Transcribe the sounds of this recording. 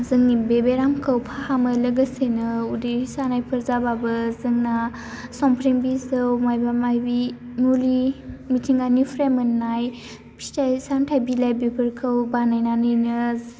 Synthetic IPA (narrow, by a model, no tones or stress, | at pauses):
zɯŋnibebeɾamkʰɯwpʰahamɯləɡəsenɯudisanajpʰɯɾzababɯzɯŋna | sɔmpʰɾiŋbizɯwmajbamajbi | mulimitʰiŋɡanipʰɾemɯnːaj | pʰi̥stʰajsamtʰajbilajbepʰɯɾkʰɯwbanajnanɯjnɯ